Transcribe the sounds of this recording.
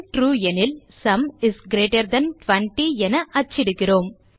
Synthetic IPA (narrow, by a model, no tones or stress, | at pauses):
ʈɾuːɛnɪlsɐmɪsɡɾeːʈɐɾd̪ɐnʈʋɐɳʈiɛnɐʔɐt͡ʃːɪɽɯkːɪɾoːm